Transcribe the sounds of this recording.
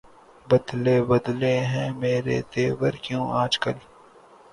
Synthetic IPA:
bɐd̪leːbɐd̪leɦɛ̃meːɾḛt̪eːwəɾkjõːʔaːd͡ʒkəl

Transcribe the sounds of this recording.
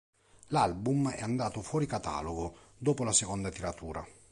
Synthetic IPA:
lalbumɛ̰and̪aːt̪ofwɔːɾikat̪a̰ːloɡo | d̪oːpolasekond̪at̪iɾat̪ʰuːɾa

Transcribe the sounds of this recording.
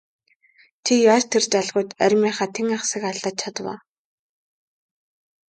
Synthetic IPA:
t͡ɕʰijaːt͡ɕt̪ʰert͡ɕaɮʁʊːt̪æɾʲmaːχaːt̪ʰeŋaχsə̆kaɮăt̪̚t͡ɕʰat̪wa̰ː

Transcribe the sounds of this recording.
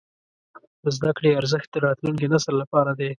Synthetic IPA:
d̪əzd̪akɽeaɾzəxt̪̚d̪əɾɑt̪luŋk̬enasəɾlapɑɾad̪e

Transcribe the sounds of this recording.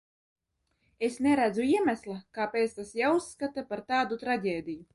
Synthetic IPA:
esnʲɛɾæd̪zuiɛmʲæslˠakaːpʲeːt̪st̪asjausːkat̪apaɾt̪aːd̪ut̪ɾaɟʲeːd̪ʲiju

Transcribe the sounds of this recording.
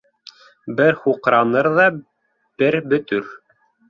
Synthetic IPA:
bɘɾχuqɾɑnɤɾðɑ | b̥ɘɾbɵ̆t̪ɵɾ

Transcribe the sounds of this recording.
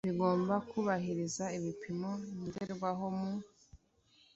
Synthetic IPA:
βiɡo̞ːmbakuβaɦiɾizaiβipʰimo̞imudeɾɡwaɦo̞mu

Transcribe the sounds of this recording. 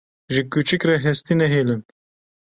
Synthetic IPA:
ʒɨkut͡ʃɨkrɛɦɛst̪inɛɦeːlɨn

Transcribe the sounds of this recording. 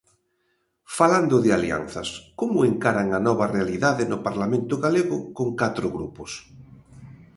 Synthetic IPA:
faland̪ʊðɪalia̰n̟θaskomʊeŋkaɾaŋanɔβarealiðaðenʊpaɾlamẽnt̪ʊɣaleɣʊkoŋkat̪ɾoɣɾupos

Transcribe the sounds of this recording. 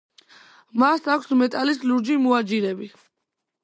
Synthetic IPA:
masakʰsmɛt̪ʼalisluɾd͡ʒimuad͡ʒiɾɛbi

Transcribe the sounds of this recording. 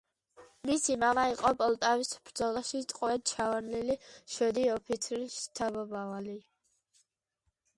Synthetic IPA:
misimavaiqʼɔpʼɔlˠt̪ʼavisb̥ɾd̪zɔlˠaʃit̪ʼqʼɔvɛd̪̚t͡ʃʰavanliliʃɛd̪iɔpʰit̪sʰɾiʃt̪ʰabɔbavali

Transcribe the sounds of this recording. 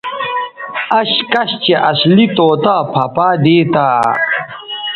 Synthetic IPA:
ɐɕkɐɕt͡ɕeʔɐslit̪oːt̪aːpʰɐpaːd̪eːt̪aː

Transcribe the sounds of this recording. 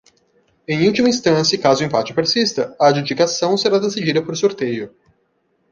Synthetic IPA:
ẽj̃uwt͡ʃimɐĩst̪ɐ̃sɐkazʊẽpat͡ʃɪ̥peɾsist̪ɐɐːd͡ʒud͡ʒikasɐ̃w̃seɾad̪esid͡ʒid̪ɐpoɾsoɾt̪ejʊ

